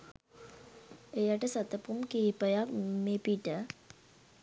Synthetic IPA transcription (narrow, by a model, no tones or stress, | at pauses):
ejaʈəsət̪əpumkiɦipəjakmepiʈə